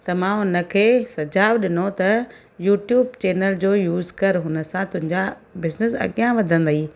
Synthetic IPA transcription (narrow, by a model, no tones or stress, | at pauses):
t̪ɐmãɦʊnə̆kʰeːsɐd͡ʑaːʋɗɪnot̪ɐ | juːʈjuːbt͡ɕeːnəld͡ʑoːjuːzkɐɾɦʊnə̆sãt̪ʊ̃ɦɪ̃ɲd͡ʑabɪznɪsɐ̰ɠijãʋɐd̪ʱə̃nd̪aiː